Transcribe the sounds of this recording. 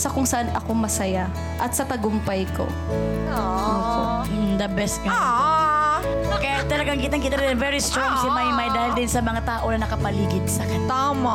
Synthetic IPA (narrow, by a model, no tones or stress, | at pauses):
sɐkʊŋsɐʔanʔɐko̞mɐsɐja | ʔɐt̪sɐt̪ɐɡʊmpɐjko̰ | oopom̩d̪ɐbɛst̪̚kɐŋa | kɐjat̪ɐlɐɡaŋkiːt̪ɐŋkiːt̪ɐɾɪd̪ɛnvɛɹist̪ɾaŋsimajmajd̪aːhɪld̪ɪnsɐmɐŋat̪aːʔo̞nɐnɐkɐpɐliːɡɪd̪̚sɐkɐt̪amɐ